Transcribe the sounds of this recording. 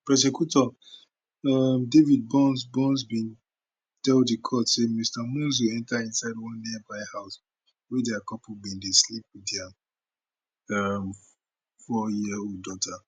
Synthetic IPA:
pɹɛs̬ekutɔ | amdevid̚bɔ̃nsbɔ̃nsbĩn | tɛlddikʰɔtsemistamũns̬wiɛ̃ntaĩnsaɪdwɔ̃nːibaɪhaʊs | wɛdakɔpubĩndeslip̚wiða | am | fɔjiodɔtʰa

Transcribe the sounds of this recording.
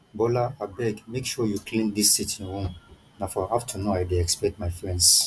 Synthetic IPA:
bɔlaabɛɡmekʃɔjukʰlĩnd̪isːitʰĩnɹũm | nafɔaftʰunoajdeɛkspɛk̚tmaɪfɹɛ̃nds

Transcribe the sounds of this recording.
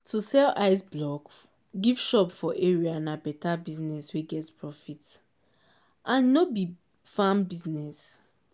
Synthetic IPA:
tʰusɛlaɪsblɔk | ɡiv̥ʃɔpfɔʔeɹianabɛtabiznɛsweɡɛtpɹɔfit | ʔãnːobi | fãmbiznɛs

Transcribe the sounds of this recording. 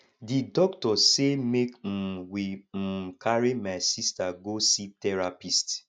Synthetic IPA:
didɔktɔsemekm̩wim̩kʰaɾimaɪsistaɡositɛɾapist

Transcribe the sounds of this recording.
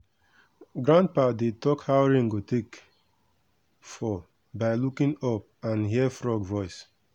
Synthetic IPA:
ɡɹãnd̚patdetɔkhaɹĩŋɡotʰek | fɔ | baɪlukĩnɔp̚ | ãnɦiəfɹɔɡvɔɪs

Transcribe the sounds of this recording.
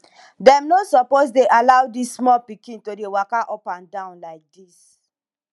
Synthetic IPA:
dɛ̃mnosɔposdeʔalaʊdisːmɔlpikĩntodewakaʔɔpãndãʊ̃nlaɪk̚dis

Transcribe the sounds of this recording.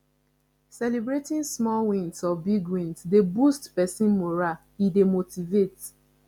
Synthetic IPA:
sɛlibɹetĩnsmɔlwĩnsɔbiɡwĩnsdebustpɛsĩnmoɹa | idemotivet

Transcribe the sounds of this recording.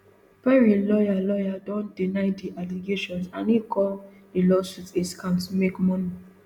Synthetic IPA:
pɛɹilɔjalɔjadɔ̃ndinaɪdiʔaliɡeʃɔ̃nsã̰nikʰɔl | dilɔsutiskãntmekmɔni

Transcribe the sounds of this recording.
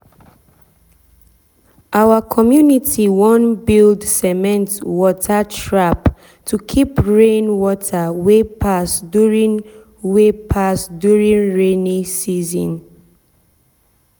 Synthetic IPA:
ʔawəkʰɔmjunitʰiwɔ̃nbildsɛmɛ̃ntwɔtʰatʰɹap | tʰukʰipɹẽnwɔtʰəwepʰasdjuɹĩn | wepʰasdjuɹĩnɹẽnĩsizɔ̰̃n

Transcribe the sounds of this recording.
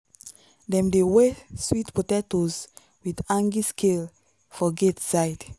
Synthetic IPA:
dɛ̃mdeweswitpotɛtoz | widãŋɡiskʰel | fɔɡetsajd

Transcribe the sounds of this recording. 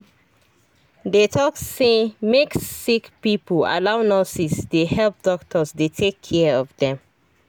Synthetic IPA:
detʰɔksemeksikpipəl̩a̰laʊnɔsisdehɛlˠp̚d̥ɔktʰəzdetʰekʰːɛɔvðɛ̃m

